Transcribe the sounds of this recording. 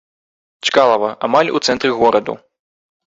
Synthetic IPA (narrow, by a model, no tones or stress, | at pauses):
t͡ʃkalˠɐvɐʔamalʲṵt̪sɛnt̪ɾɨɣɔɾɐd̪ṵ